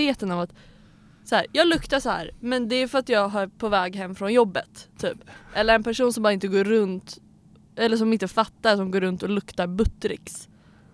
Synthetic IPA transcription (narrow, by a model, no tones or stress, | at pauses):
eːt̪ənavat̪ | sɔhæːɾjɑːɡlɵkt̪aʂɔhæ̰ːɾmɛnd̪ɛæjfœɾat̪jɑːɡɦaɾpʰovɛːɡɦɛmːfɾɔnjɔbːət̪ʰːyːpʔɛlːəɾɛnpʰæʂuːnsɔmbɑːɾaɪnt̪əɡoːɾːɵnt̪ | ʔɛlːəʂɔmɪnt̪əfat̪ːaɾsɔmɡoːɾɵnt̪ɔlɵkt̪aɾbɵt̪ːɾɪ̰ks